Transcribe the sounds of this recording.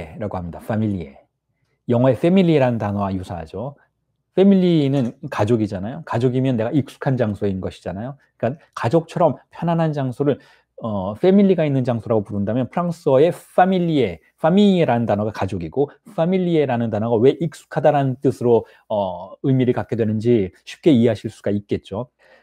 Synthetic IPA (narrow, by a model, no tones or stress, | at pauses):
eɾaɡohamɲidafʰamiʎːie̞ | jʌŋɦʌe̞ɸ͈e̞miʎːiɾaɯndanwajusʰaɦa̰d͡ʑo | ɸ͈e̞miʎːinɯnkad͡ʑoɡid͡ʑanajokad͡ʑoɡimjʌnːe̞ɡaik̚s͈u̥kʰand͡ʑaŋsʰoeinɯnɡʌɕʰi̥d͡ʑanajo | ik͈akad͡ʑok̚t͡ɕʰʌɾʌmpʰjʌnanɦand͡ʑaŋsʰoɾɯɭ | ʌɸe̞miʎːiɡainːɯnd͡ʑaŋsʰoɾaɡopuɾɯndamjʌnpʰɯɾaŋs͈ʰʌe̞ɸʰamiʎːie̞ | ɸʰamiiɾanɯndanʌɡakad͡ʑoɡiɡofʰamiʎːieɾanɯndanʌɡawe̞ʔik̚s͈u̥kʰadaɾanɯnt͈ɯsʰɯɾo | ʌɯimiɾɯɭkak͈edwe̞nɯnd͡ʑiɕʰi̥p̚k͈e̞ieɦaɕʰiɭs͈uɡaik̚k͈e̞t̚t͡ɕ͈o